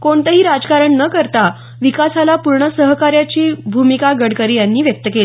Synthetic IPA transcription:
koɳt̪əɦiːɾad͡zkaɾəɳnəkəɾt̪a | ʋikasalapuɾɳəsəɦkaɾjat͡ɕiːbʱumikaɡəɽkəɾiːjanːiːʋjək̚t̪əkeli

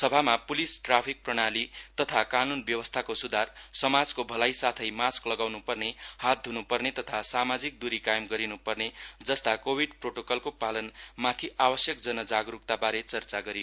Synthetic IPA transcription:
sʌbʱamapulisʈrapʰik̚prʌɽ̃alit̪ʌt̪ʰakanunbjʌwʌst̪ʰakosud̪ʱarsʌmad͡zkobʱʌlajsat̪ʰʌjmasklʌɡawnupʌrnehat̪̚d̪ʱunupʌrnet̪ʌt̪ʰasamad͡zik̚d̪uɾikajmɡʌɾinupʌrned͡zʌst̪akobʱiɖproʈokʌlkopalʌnmat̪ʰiʔabʌsjʌkd͡zʌnʌd͡zaɡɾuk̚t̪abaɾet͡sʌrt͡saɡʌɾioo

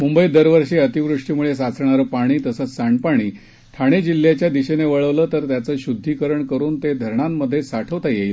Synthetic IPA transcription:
mumbəid̪əɾʋəɾɕiːət̪iʋɾuʂʈimuɭes̬at͡sɳaɾəpaɽ̃iːt̪əsəːt͡ssaɳɖpaɽ̃iː | t̪ʰaɽ̃ed͡ʑil̤ːjat͡ɕjad̪iɕeneʋəɭəʋləːt̪əɾt̪jat͡səːɕud̪ʱːikəɾəɳkəɾuːnt̪ed̪ʱəɾɳamːəd̪ʱːjesaʈʰəʋt̪ajejl

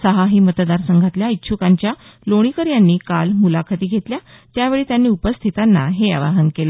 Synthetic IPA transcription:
səɦaɦiːmət̪d̪aɾsəŋɡʱat̪ljait̪ːɕʰukaɲt͡ɕja | loɽ̃ikəɾjanːiːkalmulakʰət̪iːɡʱet̪lja | t̪jaʋeɭiːt̪janːiːupəst̪ʰit̪anːa̰ɦea̰ʋa̰ɦənkelə

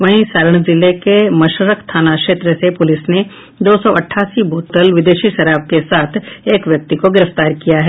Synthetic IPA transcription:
ʋɐɦĩsaːɾəɽ̃zɪlekemɐʃəɾəkt̪ʰaːnakʃeːt̪ɾəsepʊlɪsne | d̪oːsɔʔɐʈʰːaːsiboːt̪əlʋɪd̪eːʃiʃɐɾaːb̚kesaːt̪ʰeːkʋjɐk̚t̪ikoɡɪɾəft̪aːɾkijaɦɛ

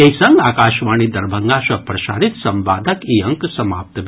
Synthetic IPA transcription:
eisɐŋɡaːkaːʃʋaːɳ̃id̪ɐɾbʱɐŋɡaʃɐpɾɐʃa̰ːɾit̪sɐmbaːd̪ʱɐkiːɐŋksɐma̰ːp̚t̪ʋ

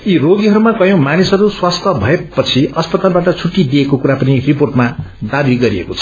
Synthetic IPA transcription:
iroɡiɦʌɾumakʌjõmanisʌɾuswast̪ʰʌbʱʌepːʌt͡sʰiʌspʌt̪albaʈʌt͡sʰuʈːid̪iekokuɾapʌniriporʈmad̪abiɡʌɾiḛkot͡sʰʌ̥

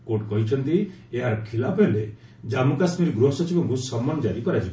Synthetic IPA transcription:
koɾʈkɔɦit͡ʃʰɔnt̪i | eɦaɾɔkʰilapʰɦele | d͡ʒamukasmiɾɡɾoɦɔsɔt͡ʃʰibɔɡussɔmːɔnɔd͡ʒaɾikɔɾat͡ʃʰi

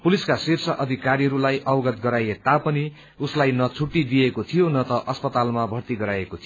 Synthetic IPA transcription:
puliskasirsʌʔʌd̪ʱikaɾiɦʌɾulajʔʌwɡʌt̪̚ɡʌɾajet̪apʌni | uslajnʌt͡sʰuʈːid̪ijekot̪ʰijonʌt̪ʌʔʌspʌt̪almabʱʌrt̪iɡʌɾajekot̪ʰij

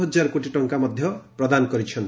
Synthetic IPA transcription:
ɦʌd͡ʒaɾkoʈiʈɔŋkamʌd̪ʱjʌpɾʌd̪ankʌɾit͡ʃʰʌn

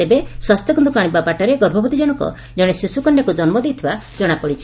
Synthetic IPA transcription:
t̪ebeswast̪jɔɡɔnd̪ukaɽ̃ibapaʈɔɾeɡɔɾbʱɔbɔd̪id͡ʒɔɽ̃ɔŋkɔ̰ | d͡ʒɔɽ̃esisukɔnɖakud͡ʒɔnmɔd̪it̪ʰibad͡ʒɔɽ̃apɔɽit͡ʃʰi̥

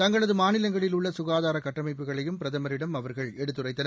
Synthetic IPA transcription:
t̪ɐŋɡɐɭɐðɯmaːnɪlɐŋɡɐɭɪlʊɭːɐsʊɣaːðaːɾɐkɐʈːɐmɐɪpːɯɣɐɭɐjɯmpɪɾɐðɐmɐɾɪɽɐmɐʋɐɾɣɐɭɛɽɯt̪ːɯrɐɪːɐnɐ

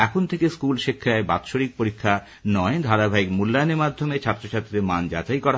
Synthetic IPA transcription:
ɛkʰont̪ʰekeskulʃikʰːaeba̰t̪ʃoɽik̚poɾikʰːa | nɔed̪ʱaɾabʱaikmulːanemad̪ʱːomet͡ɕʰaɾt̪ːɾoʃʰat̪ːiɾemand͡ʑa̰t͡ɕajkɔɾa

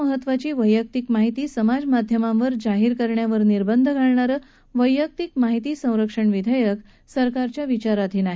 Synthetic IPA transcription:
əɦət̪ːʋat͡ɕiːʋəjːək̚t̪ikmaɦit̪iːsəmad͡zmad̪ʱjəmãʋəɾd͡ʑaɦiɾkəɾɳjaʋəɾniɾbənd̪ʱəɡʱaɭɳaɾə | ʋəjːək̚t̪ikmaɦit̪iːsə̃w̃ɾəkʂəɳʋid̪ʱajək | səɾkaɾt͡ɕjaʋit͡ɕaɾat̪ʰiːnaɦi

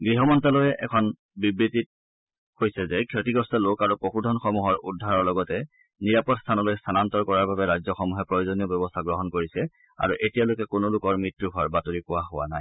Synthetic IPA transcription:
ɡɹiɦɔmɔntalojɛʔɛkʰɔn | bibɹitit̚ | kojsɛzɛkʰotiɡɔstɔlokaɹupoxudʱɔnxɔmuɦɔɹʔudʱːaɹɔɹlɔɡɔtɛ | niɹapɔtst̪ʰanɔlojst̪ʰanantɔɹkɔɹaɹbabɛɹajzɔxɔmuɦɛpɹɔjozoniɔbɔbɔstʰaɡɹɔɦɔnkoɹisɛ | a̰ɹuʔetijalojkɛkʊnolʊkɔɹmɹitɹuɡʱɔɹbatoɹikʊwaɦʊwa̰naj

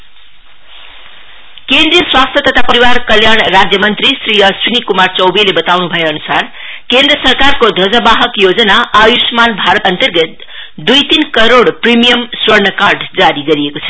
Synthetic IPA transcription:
kend̪rijʌswast̪ʰjʌt̪ʌt̪ʰapʌɾiwarkʌljaɳrad͡zjʌmʌnt̪ɾisriʌsrinikumart͡sʌwbilebʌt̪awnubʱʌjeʌnusar | kend̪rʌsʌrkarkod̪ʱʌd͡zʌbaɦʌkjod͡zʌnaːjusmanbʱaɾʌt̪ʌnt̪ʌrɡʌt̪̚ | d̪ujt̪inkʌɾoɽprimijʌmswʌrnʌkarɖd͡zaɾiɡʌɾiekot͡sʰʌ̥

